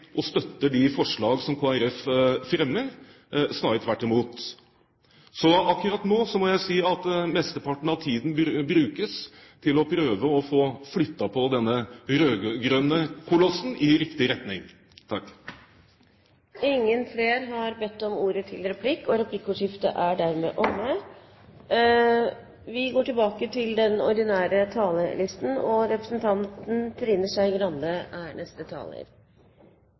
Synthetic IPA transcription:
ʔɔst̪œt̪ːəɖɪfɔʂɭɑːɡsɔmkʰoːæɾɛffɾɛmːəɾ | snɑt̪ʰʋæʈːɪmuːt̪ | sɔɑkːʉɾɑt̪noːsɔmɔjæɪsiːɑt̪mɛst̪əpɑʈɳ̩ɑʋt̪ʰiːd̪n̩bɾʉːkəs | t̪ʰɪlɔpʰɾøːʋəɔfoːflʏt̪ːɑpʰɔd̪ɛnːəɾøːɡɡɾøːnəkʰʊlɔsːn̩ɪɾɪkt̪ɪɾɛt̪nɪŋ | t̪ʰɑkː | ɪŋːənfɾeːɾɦɑɾbɛt̪ːɔmuːɾət̪ʰɪlɾɛpʰlɪkːɔɾɛpʰlɪkːuːʂɪft̪ə̰ʔæɖæːɾmḛːʔɔmə | ʋɪɡoːʈɪlbɑːkət̪ʰɪld̪ɛnɔɾɖ̪ɪnæːɾət̪ʰɑːləlɪst̪n̩ɔɾɛpɾəsn̩t̪ʰɑnt̪n̩t̪ʰɾɪnːəʂæɪɡɾɑnd̪əæːɳɛst̪ət̪ʰɑ̰ːlə̰ɾ

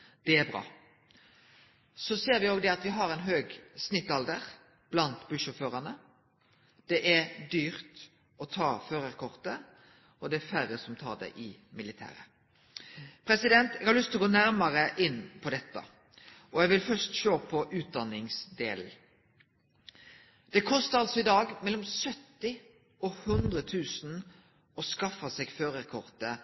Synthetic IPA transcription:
d̪̥ɛæɾbʁɑ̰ː | sɔseːɾʋɪoːɡd̪ɛɑt̪ʋɪɦɑɾɛɪnɦøːɡsnɪt̪ːɑld̪əʁ | b̥lɑnt̪bʉʃɔføːʁɑnə | d̪̥ɛʔæʁd̪yːʁt̪ | ɔt̪ʰɑːføːɾəʁkʰɔʁt̪ə | ɔd̪ɛæfæɾəsɔmt̪ʰɑ̰ːd̪ɛ̰ʔɪmɪlɪt̪ʰæ̰ːɾə̰ | pʰɾɛsɪd̪ɛnt̪ɛɡhɑɾlʏst̪ʰlɔɡoːnæɾməʁəʔɪnːpʰɔd̪ɛt̪ːə̰ | ɔjɛɡʋɪlfœst̪ʃøːpʰɔʔʉːt̪̚d̪ɑnɪŋsd̪eːl | d̪̥ɛkʰɔst̪əɑlsɔɪd̪ɑːɡmɛlːɔmsœt̪ːɪ | ɔhʉnd̪ʁət̪ʰʉːsn | ɔskɑfəsɛɡføːʁɛkʰɔʁt̪ə

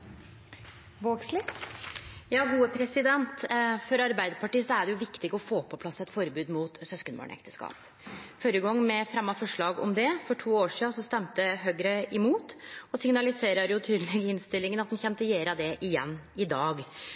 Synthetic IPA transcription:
ʋoːɡslɪ | jɑːɡuːəpʰɾɛsɪd̪ɛnt̪fɔɾɑɾbæɪd̪əɾpɑʈiːsɔæɖɛjʊʋɪkt̪ɪɡɔfoːpʰɔpʰlɑsɛt̪fɔɾbʉːd̪muːt̪sœskənbɑ̰ːɳɛ̰kt̪ə̥skɑ̰ːp | føɾəɡɔŋːmɛfɾɛmːɑfɔʂɭɑːɡɔ̰md̪ɛfɔʈʰuːoːʂiːɑsɔst̪ɛmt̪əɦøɡɾəʔɪmuːt̪ɔsɪŋnɑlɪseːɾəɾjʊt̪ʰyːd̪əlɛɡɪnst̪ɪlːɪŋənɑt̪hʊnçɛnt̪əjeːɾɑd̪ɛʔɪjɛnːɪd̪ɑːɡ

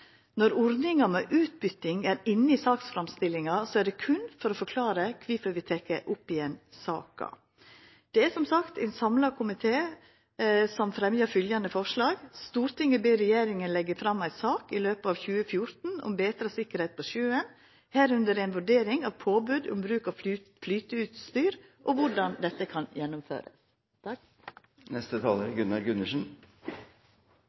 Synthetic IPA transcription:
nɔɾɔɾnɪŋɑmɛʔʉːt̪̚bʏt̪ɪŋæɾɪnːəɪsɑːksfɾɑmst̪ɪlːɪŋɑsɔæɖɛkʰʉnfɔɾɔfɔɾkʰlɑːɾəkʰʋɪfɔɾʋɪt̪ʰɛkːə̰ʔʊpːɪɛnsɑ̰ːkɑ̰ | d̪̥ɛæsɔmsɑkt̪æɪnsɑmlɑkʰʊmɪt̪ʰeː | sɔmfɾɛmjəfʏljɑnd̪əfɔʂɭɑːɡst̪uːɾt̪ɪŋːəbeːɾɛjeːɾɪŋənlɛɡəfɾɑmːæɪsɑːkɪløːpəɑːʋçʉːəfjʊɾt̪n̩ʊ̰mbeːt̪ɾɑsɪkːəɾhɛɪt̪̚pʰɔʃʉːən | hæːɾʉnd̪əɾɛnʋʉɖeːɾɪŋɑʋpʰoːbʉːd̪ʊ̰mbɾʉːkɑʋflyːt̪əʉːt̪st̪yːɾʔɔʋʊɖɑnd̪ɛt̪ːəkʰɑnjɛnːʊmfø̰ːɾə̰s | t̪ | nɛst̪ət̪ʰɑːləɾɡʉnːɑɾɡʉnəʂn̩

